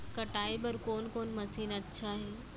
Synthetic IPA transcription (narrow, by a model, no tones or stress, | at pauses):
kɐʈaːibɐɾkoːnkoːnmɐsiːnɐtːʃʰaːɦeː